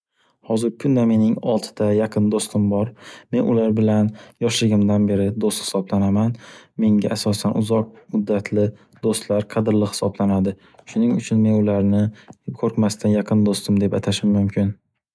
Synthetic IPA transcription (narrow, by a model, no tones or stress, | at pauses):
hɒzɪɾkʰʊnd̪ame̞nɪŋɒlˠt̪ʰɪ̥d̪ajaqʰɨnd̪ost̪ɪmbɒɾme̞nʔʊlaɾbɪlanjɒʃlɪɡʲɪmd̪anbe̞ɾɪd̪ost̪hɪ̥sɒblanamanme̞ŋɡʲaʔasɒsanʔʊzɒq̚mʊd̪ːat̪ʰlɪ | d̪̥ost̪laɾqʰɑd̪ɪɾlɪhɪ̥sɒblanad̪ɪ | ʃʊnɪŋʊt͡ʃʰʊnme̞nʊlaɾnɪkʰɵɾkmast̪ʰanjɑqʰɨnd̪ost̪ʰɪmd̪e̞pat̪ʰaʃɪmːʊmkʲʰɪn